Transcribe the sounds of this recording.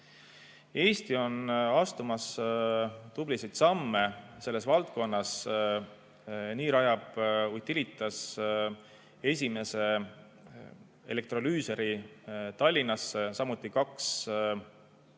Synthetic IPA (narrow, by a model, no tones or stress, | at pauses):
e̞ːst̪io̞nɑst̪umɑs | t̪ub̥lisejt̪sɑmːe̞se̞lːe̞svɑlt̪̚ko̞nːɑs | niːɾɑjɑb̥ujt̪ːilit̪ːˑɑs | e̞s̬ʲime̞se̞ | e̞̰le̞k̚t̪ro̞lyːse̞ɾit̪ɑlʲːinːɑssɑmut̪ːˑikɑks